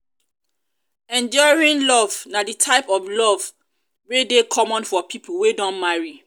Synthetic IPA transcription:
ɛ̃nd͡ʒɔjɹĩnlɔvnaditʰaɪpɔvlɔv | wedekʰɔmɔ̃nfɔpʰipʰuwedɔ̃nmaɹi

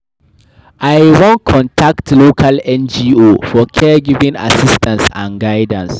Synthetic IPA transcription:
ʔajwɔ̃nkʰɔ̃ntʰaktlokʰalɛ̃nd͡ʒiofɔkʰɛɡivĩŋa̰sistãnsã̰nɡaɪdãns

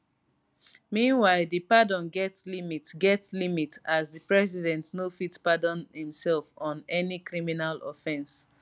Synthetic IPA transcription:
mĩnwaɪlðɨpadɔ̃nɡɛtslimitɡɛtslimitazðɨpɹɛsidɛ̃ntnofitpadɔ̃nhĩmsɛlfɔ̃nɛnikɹiminalɔ̰fɛ̃ns

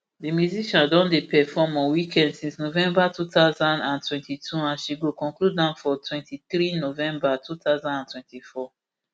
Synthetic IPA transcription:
dimjuziʃãndɔ̃ndepɛfɔmɔ̃nwikʰɛ̃ndsĩnsnovɛ̃mbatutaʊzãndãntwɛ̃ntitʰuãnʃiɡokɔ̃ŋklud̚ːãnfɔtwɛ̃ntiθɹinovɛ̃mbatʰutaʊzãndãntwɛ̃ntifɔ

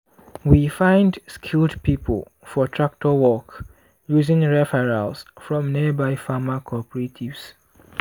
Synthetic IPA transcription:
wifãɪ̃ndskʰilˠdpipʰə̰l̩ˠ | fɔtʰɹak̚tʰɔwɔk | juzɪ̃ŋɹɛfɛɹalsfɹɔ̃mnibaɪfamakʰɔpɹetʰivs

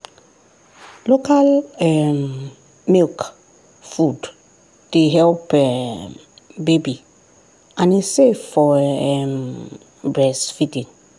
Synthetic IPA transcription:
lokalɛm | milk | fud | deɦɛlpɛ | bebi | ãniseffɔɛm | bɹɛsfitĩŋ

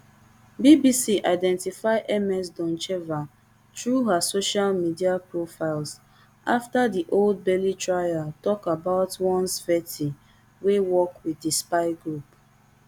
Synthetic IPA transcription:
bibisiʔaɪdɛ̃ntifaɪʔɛmɛs̬dɔ̃nt͡ʃɛva | tɹuɦasoʃalmidiapɹofaɪls | ʔaftadiʔold̚bɛlitɹajatɔkabaʊtwɔ̃nsfɛtʰi | wewɔkwiðispaɪɡɹup

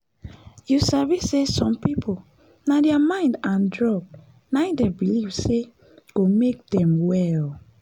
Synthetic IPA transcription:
jusavisesɔ̃mpipʰol | nadɛamãɪ̃ndãndɹɔb̚ | nãdɛbilivse | ɡ̥omek̚dɛ̃mwɛl

